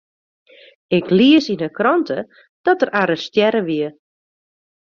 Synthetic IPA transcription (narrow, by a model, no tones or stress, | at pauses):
ɪkliəsinəkrɔntʰə | d̥ɔtərʔaːɾəstjɛɾəʋiə